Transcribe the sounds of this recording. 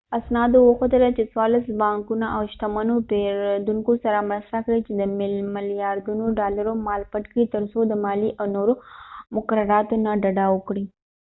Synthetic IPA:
asnɑd̪owəxot̪əlat͡ʃeswɑɾlasbɑŋkunaawʃt̪amanopeɾd̪uŋkosaɾamɾast̪akɽit͡ʃed̪əmɪlmɪlijɑɾd̪unoɖɑlaɾomɑlpaʈkit̪əɾsod̪əmɑliʔawnoɾomʊkaɾaɾɑt̪onaɖaɖawəkɽi

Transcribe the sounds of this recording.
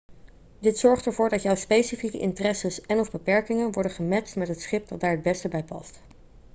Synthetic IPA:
dɪtsɔɹχtəɹvʊːɹdɑtjɔwspejsifikə̰ʔɪ̰ntərɛsəsɛnɔvbəpɛɹkɪŋənʋɔɹdəχəmɛstmɛtɦətsχɪp̚dɑd̚daːɹɦəd̚bɛstəbɛjpɑ̰st

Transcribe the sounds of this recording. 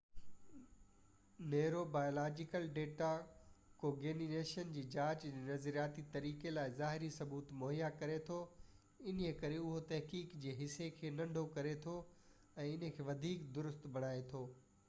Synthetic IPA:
neːɾobaːjoːlaːd͡ʑɪkəlɖeːʈakoːɡeːnineːʃənd͡ʑiːd͡ʑaːt͡ɕd͡ʑeːnɐzɾijaːt̪it̪ɐɾiːkelaːɪzaːɦɪɾisɐbuːt̪moːɦijakɐɾet̪ʰo | ɪnjekɐɾeʊɦot̪ɐɦkiːkd͡ʑeːɦɪsekʰeːnɐ̃ɳɖʱokɐɾet̪ʰo | ɛ̃ːɪnkʰeːʋɐd̪ʱiːkd̪ʊɾʊst̪bɐɽ̃aːet̪ʰoː

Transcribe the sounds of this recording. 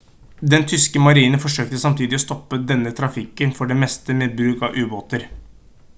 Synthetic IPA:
d̪ɛnt̪ʰʏskəmɑɾiːnənfɔʂøːk̚t̪əsɑmt̪ʰiːd̪ɪɔst̪ɔpːəd̪ɛnːət̪ʰɾɑfɪkənfɔɖɛmɛst̪əmɛbɾʉːkɑʋʔʉːboːt̪əɾ

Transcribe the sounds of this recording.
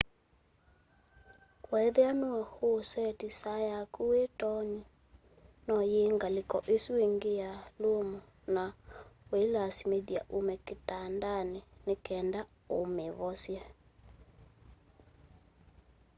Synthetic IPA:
kwɛðɛanoɛhosɛtisajakuwetɔɲi | nɔjeŋɡalekɔʔesueŋɡejalomɔ | nawelasimeðja̰ʔomɛketandanenekɛnda | omeβɔsja

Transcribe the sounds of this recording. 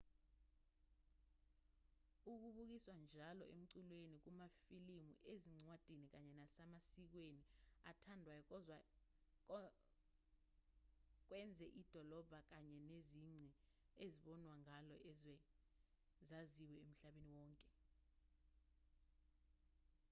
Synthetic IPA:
uk̬uɓuk̬iswand͡ʒʱalɔ̰ʔem̩ǀilwenik̬umafilimṵʔeziŋ͡ǀwad̥ʱinik̬aɲɛnasamasik̬weniatʰandʱwajɔk̬ɔzwa | k̬wɛnd͡zʱɛʔid̥ʱɔlɔb̥ʱak̬aɲɛneziŋ͡ǀʱi | eziɓɔnwaŋalɔɛzɛ | zaziwɛem̩ɬaɓeniwɔːŋkʼɛ

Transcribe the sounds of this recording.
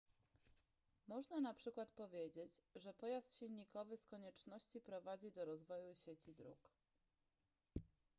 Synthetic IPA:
mɔʐnanapʂɘkwat̪pɔvʲjed͡ʑet͡ɕʐɛpɔjast̪ɕilʲɲikɔvɘskɔɲɛt͡ʂnɔɕt͡ɕipɾɔvad͡ʑid̪ɔɾɔzvɔjuɕet͡ɕid̪ɾṵk

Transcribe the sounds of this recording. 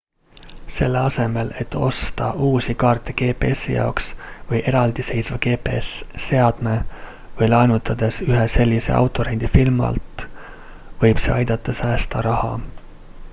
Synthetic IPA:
se̞lːeɑse̞me̞le̞t̪ːˑo̞st̪ɑʔuːsikɑːrt̪ːe̥ke̞ːpḛesijɑ̰oksvɤjʔeɾɑld̪̥ise̞jsvɑke̞ːpeesːe̞ɑd̪̥me̞ | vɤjlɑjnut̪ːˑɑd̪̥e̞syɦese̞lʲːise̞̰ʔɑ̰wt̪ˑːo̞ɾend̪̥ifilmɑ̰lt̪ | vɤjb̥se̞̰ɑjd̪̥ɑt̪ˑːɑsæːst̪ɑɾɑhɑ

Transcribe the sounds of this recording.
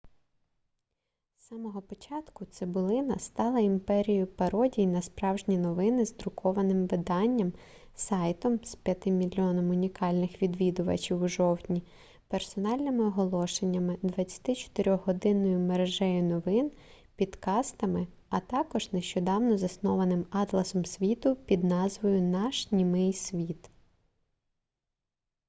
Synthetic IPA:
sɑmɔɦɔpɔt͡ʃɑt̪kʊt̪sɪbʊlˠɪnɐst̪ɑlˠɐimpɛɾʲijʊpɐɾɔdʲijnɐspɾɑwʒnʲinɔʋɪnɪzd̪ɾʊkʰɔʋɐnɪmʋɪd̪ɑnʲːɐm | sɑjt̪ɔmspʲjɐt̪ɪmʲilʲːɔnɔmʊnʲikɑlʲnɪxʋʲid̪ʋʲid̪ʊʋɐ̰t͡ʃʲiwʒɔwtʲnʲi | persɔnɑlʲnɪmɪɔɦɔlˠɔʃenʲːɐmɪd̪ʋɐt͡sʲːɐ̥t̪ɪt͡ʃɔ̥t̪ɪɾʲɔɦɔd̪ɪnɔjʊmeɾeʒɛjʊnɔʋɪn | pʲid̪kɑst̪ɐmɪ | ɐt̪ɑkɔʒneʃt͡ʃɔd̪ɑwnɔzɐsnɔʋɐnɪmɑt̪lˠɐsɔmsʲʋʲit̪ʊpʲid̪nɑzʋɔjʊnɑʃnʲimɪjsʲʋʲit̪

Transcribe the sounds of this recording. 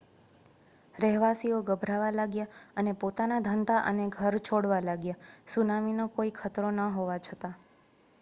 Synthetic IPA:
ɾɛɦʋasioɡəbʱɾaʋalaɡjaənepot̪anad̪ʱənd̪aʔə̰neɡʱəɾt͡ʃʰoɽʋalaɡjasunaminokoikʰət̪ɾonəɦoʋat͡ʃʰət̪a

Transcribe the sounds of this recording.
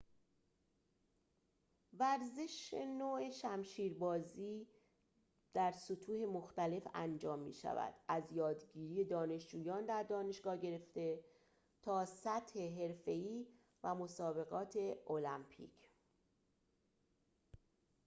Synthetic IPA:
væɾze̞ʃḛnoːeʃæmʃiːɾbɒːziː | d̪̥æɾsot̪ʰuːhe̞moxt̪æle̞fænd͡ʒɒːmːḭːʃæ̰væ̰d̪̥æzjɒːd̪ɟiːɾiːje̞d̪ɒːne̞ʃd͡ʒuːjɒːnd̪æɾd̪ɒːne̞ʃɡɒːɟe̞ɾe̞ft̪e̞ | t̪ʰɒːsæt̪he̞ɦe̞ɾfe̞iː | væmo̞sɒːbe̞ɣɒːt̪ʰe̞o̞læmpʰḭːcʰ

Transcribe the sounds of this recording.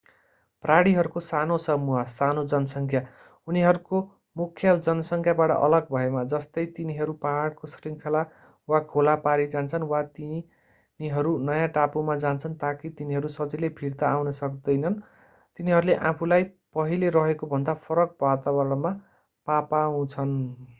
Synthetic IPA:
praɽiɦʌɾukosanosʌmuɦasanod͡zʌnʌsʌŋkʰja | uniɦʌɾuko | mukʰːjʌd͡zʌnʌsʌŋkʰjabaʈʌ̰ʔʌ̰lʌɡ̚bʱʌemad͡zʌst̪ʌjt̪iniɦʌɾupaɦaɽkosriŋkʰala | wakʰolapaɾid͡zant͡sʰʌnwat̪i | niɦʌɾunʌjãʈapumad͡zant͡sʰʌnt̪akit̪iniɦʌɾusʌt͡silepʰiɽt̪aːwnʌsʌk̚d̪ʌjnʌn | t̪iniɦʌɾuleʔãpʰulajpʌɦileɾʌɦekobʱʌnd̪apʰʌɾʌk̚bat̪abʌɾɽma | papaũt͡sʰʌn

